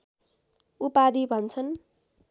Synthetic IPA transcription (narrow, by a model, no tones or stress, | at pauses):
upad̪ibʱʌnt͡sʰʌn